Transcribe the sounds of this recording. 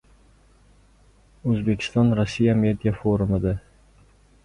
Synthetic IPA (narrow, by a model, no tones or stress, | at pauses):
ɵzbe̞kʲʰɪ̥st̪ɒnɾɒsːijame̞d̪ijafoɾʊmɪd̪a